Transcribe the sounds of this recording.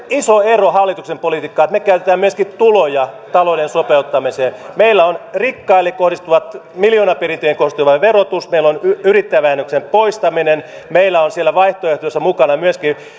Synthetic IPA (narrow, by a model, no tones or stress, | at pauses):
isoerohɑlːit̪uksempolit̪ikːɑːet̪mekæyt̪et̪æːmmyøskit̪ulojɑt̪ɑlodensopeut̪ːɑmiseːmeilːæonrikːɑilːekkohdist̪uʋɑt̪miljoːnɑperint̪øjeŋkorsist̪uʋɑʋerot̪usmeilːonyrit̪ːæʋæːnːøksempoist̪ɑminen | meilːæonsielːˑæʋɑiht̪oeht̪osːɑmukɑnɑmyøski